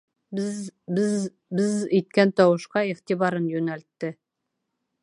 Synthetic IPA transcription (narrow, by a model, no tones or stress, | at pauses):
bz | bɘzit̪̚kænt̪ɒwɤ̆ʃqɑiχt̪iβɑɾɤnjʉnælt̪ːɘ